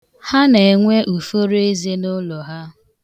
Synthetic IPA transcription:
ha˦ne˨e˨ŋʷe˦ʔu˨fo˦ɾe˦ze˦nʊ˦lɔ˨ɦa˦

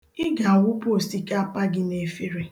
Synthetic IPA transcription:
ɪ˦ɡa˨a˨wʊ˦po˦˨sti˦ka˦a˦pa˦ɡɪ˦ne˦fi˦ɾe˦

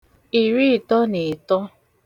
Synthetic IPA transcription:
i˨ɾi˦˨tɔ˦ne˨tɔ˦

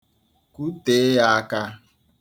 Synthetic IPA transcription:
ku˦te˨˦ja˦ka˦

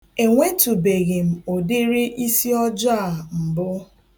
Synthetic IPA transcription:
e˨ŋʷe˦tu˨be˨ɣe˨m̩˨o˨dɪ˦ɾɪ˦ʔi˦si˦ɔ˦d͡ʒa˦˨m̩˨bʊ˦

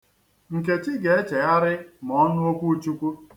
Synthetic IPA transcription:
ŋ̩˨ke˨t͡ʃi˦ɡe˨e˦t͡ʃe˨ja˦ɾɪ˦m˨ɔ˦nʊ˦o˦kʷu˦t͡ʃu˦kʷu˦

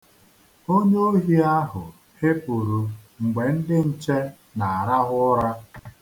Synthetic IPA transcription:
o˦ɲe˦o˦ɦi˦a˦ɦʊ˨ | hɪ˦pu˨ɾu˨ŋ̩˨ɡ͡be˨n̩˦dɪ˦n̩˨t͡ʃe˦ | na˨a˨ɾa˦ɦʊ˦ɾa˦

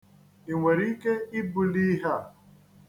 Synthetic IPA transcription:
i˨ŋʷe˨ɾi˦ke˦i˦bu˦li˦ɦa˦˨

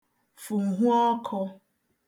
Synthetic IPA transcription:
fu˨ŋ̩˨ɦu˦ɔ˦kʰɔ˧

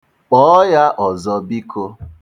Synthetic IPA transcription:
k͡pɔ˦ja˦ʔɔ˨zɔ˦bi˦kʰo˦

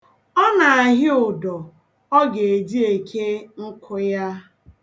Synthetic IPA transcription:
ɔ˦na˨a˨ɦɪ˦ʊ˨dɔ˨ | ɔ˦ɡe˨e˨d͡ʒi˦e˨kʰe˦ŋ̩˦kʰʊ˦ja˦

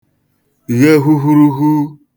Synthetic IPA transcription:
ɣe˦ɦu˦ɦu˦ɾu˦ɦu˦

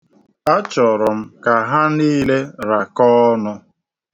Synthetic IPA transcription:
a˦t͡ʃɔ˨ɾɔ˨m̩˦ka˨ɦa˦niː˦le˦ɾa˨kɔː˦nʊ˦

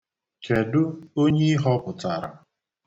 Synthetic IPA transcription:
kʰe˨dʊ˦o˦ɲe˦i˦ɦɔ˦pʊ˨ta˨ɾa̰˨

